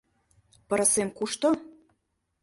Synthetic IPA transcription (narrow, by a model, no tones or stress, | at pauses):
pɤ̆ɾɤ̆semkuʃt̪o